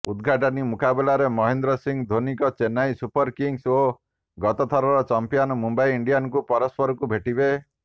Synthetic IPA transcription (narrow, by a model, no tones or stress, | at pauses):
ud̪ɡʱaʈ̬ɔnimukabelaɾemɔɦend̪ɾɔsiŋd̪ʱonikɔt͡ʃenajsupɔɾkiŋso | ɡɔt̪ɔt̪ʰɔɾɔɾɔt͡ʃɔmpijɔnɔmumbaiːiɳɖijanɔkupɔɾɔspɔɾɔkubʱeʈibe